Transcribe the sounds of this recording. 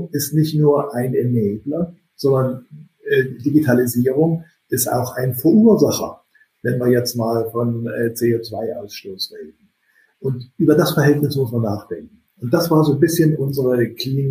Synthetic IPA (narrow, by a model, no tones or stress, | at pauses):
ŋɪstnɪçtnuːɐʔaɪnɛmɛːblɐ | z̥ɔndɐn | ɛːdiɡitʰaliziːʁ̞ʊŋ | ʔɪsta̰ʊxʔaɪnfoːɐʔyːɐzaχɐ̰ | vɛnviːɐjɛt͡stmaːlfɔnɛːt͡seoːt͡sv̥aɪʔa̰ʊsʃtoːsʁeːdn̩ | ʔʊntʔyːbɐdasfɛɐɦɛltnɪsmʊsmanaːχd̥ɛŋk̚ŋ̩ʔʊnt̚d̥asv̥aːɐzoːnbɪsçənʔʊnzəʁəkʰliːn